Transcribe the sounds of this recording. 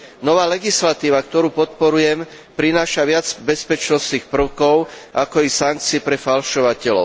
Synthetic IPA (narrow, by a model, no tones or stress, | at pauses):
nɔʋaːlɛɡislat̪iːʋakt̪ɔɾuːpɔt̪̚pɔɾujɛm | pɾinaːʃaʋɪad͡zbɛspɛt͡ʃnɔsniːxpr̩ʊkɔʊʔakɔisaŋk̚t͡siːpɾɛfalʃɔʋacɛlɔ̰ʊ